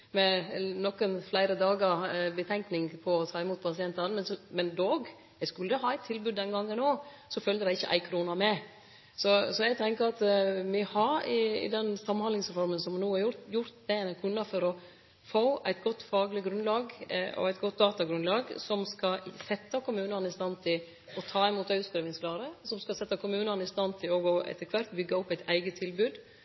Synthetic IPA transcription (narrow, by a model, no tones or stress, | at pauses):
mɛnɔkənflæɪɾəd̪ɑːɡəbət̪ʰɛŋknɪŋpʰɔɔt̪ʰɑːɪmuːt̪̚pʰɑsɪɛnt̪ɑnmɛnsɔmɛnd̪oːɡ | jɛɡskʉlːəɦɑːæɪt̪ʰːɪlbʉd̪ːɛnɡɑŋːənoː | sɔfœld̪əɾæɪɪçə̰ʔæ̰ɪkʰɾuːnɑmɛ | sɔsɔɛɪɡ̚t̪ʰɛŋkəɾɑt̪ʋɪhɑɾɪɪ̰d̪ɛnsɑmːnhɑnɪŋsɾɛfɔɾmənsɔmnuːɑɾjʊjʊɾt̪d̪ɛnkʰʉnːɑfɔɾɔ | foːʔæɪt̪ɡɔt̪ːfɑːɡlɪɡɾʉnlɑːɡɔ̰æɪt̪ɡɔt̪̚ːd̪ɑːt̪ɑɡɾʉnlɑːɡsɔmskɑsɛt̪ːəkʊmʉːnənəɪst̪ɑnt̪ʰɪl | ɔt̪ʰɑːɪmuːt̪ɑʉt̪skɾɛːʋɪŋsklɑːɾəsɔmskɑsɛt̪ːɑkʰʊmʉːnənəɪst̪ɑnt̪ʰɪlɔɡoːʔɛ̰t̪ːəkʰʋæɾt̪bʏɡːɑɔpːæɪt̪æɪɡət̪ʰɪlbʉːd̪